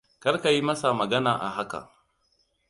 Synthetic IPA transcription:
kɐ˦ɾka˨ji˦mɐ˦sa˨mɐ˨ɡɐ˦naː˨ʔa̰˨ɦa˦ka̰˨

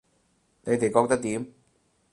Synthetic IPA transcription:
ne˨˧jt̪e˨jkɔː˧k̚t̪ɐ˥k̚t̪iː˨˥m

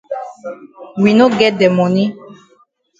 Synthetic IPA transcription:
wi˨no˦ɡɛ˦dɛ˨mɔ̃˨nĩ˦

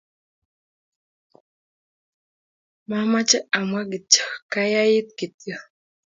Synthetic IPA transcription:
ma˦ma˦t͡ʃə˦a˨mwa˦ɡi˨t͡ʃə̥˨ka˦ja˦ji˦t̪̚ki˨t̪jə˦

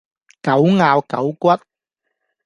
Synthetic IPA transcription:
kɐ˨˥wŋaː˧˩wkɐ̰˨˥wkʷɐ˥t̚

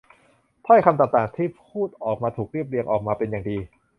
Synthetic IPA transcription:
t̪ʰɔ˥˩jkʰa˧mt̪aː˨˩k̚t̪aː˨˩ŋt̪ʰiː˥˩pʰuː˥˩t̪̚ʔɔː˨˩k̚maː˧t̪ʰuː˨˩k̚ɾi˥˩əp̬̚ɾi˧əŋʔɔː˨˩k̚maː˧pe˧njaː˨˩ŋdiː˧

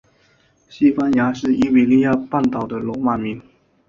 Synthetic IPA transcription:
ɕi˥pa˥nja˧˥˦ʂɻ̩˥˩ʔi˥wi˨˩li˥˧ja˥˧pa˥˩nt̪ɑ˨˩ʊd̪ə˦lwɔ˧˥ma˨˩mi˧˥n

